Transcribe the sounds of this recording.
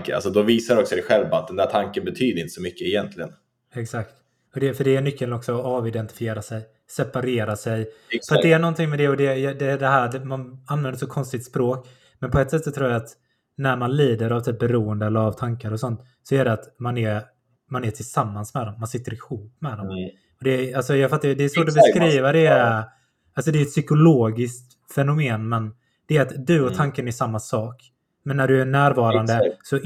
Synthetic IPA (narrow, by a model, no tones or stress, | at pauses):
kəa̰sɔd̪ɔviːsad̪ɛɔksɔd̪ɛɧɛlvaat̪̚d̪ɛnd̪æːʈʰaŋkənbɛt̪ʰyːd̪əɾɪnt̪əsɔmʏkːəɛjɛnt̪ʰlɪɡən | ɛksakt̪ | ɔd̪ɛfœɖɛːɳʏkːəlnɔksɔɔɑːvɪd̪ɛnt̪ɪ̥fɪeːɾasɛj | sɛpaɾeːɾasɛjfœɾat̪d̪ɛːɳɔnt̪ɪŋmɛd̪ɛɔd̪ɛɛd̪ɛd̪ɛɦæːɖɛmananvɛnd̪əʂɔkʰɔnst̪ɪk̚t̪spɾoːk | mɛnpʰɔɛt̪sɛt̪ːsɔt̪ʰɾuːɾjaat̪ | næɾmanliːd̪əɾavt̪ʰyːp̚bɛɾuːənd̪əɛlːəɾavt̪ʰaŋkaɾɔsɔnt̪ | sɔæɖɛat̪manɛɾ | manɛʈʰɪlsamːansmɛd̪ɔmːansɪt̪ːəɾɪhuːpːmɛd̪ɔm | ɔd̪ɛalsɔjɑɡfat̪ːad̪ɛɛsvoːʈ̬ɔbɛskɾiːvad̪ɛ | alsɔd̪ɛɛt̪sʏkʊloːɡɪskt̪ | fɛnʊmeːnmɛn | d̪̥ɛæɾat̪d̪ɵɔt̪ʰaŋkənæʂamːasɑːk | mɛnːæɖɵæɳæːɾvɑːɾand̪əsɔ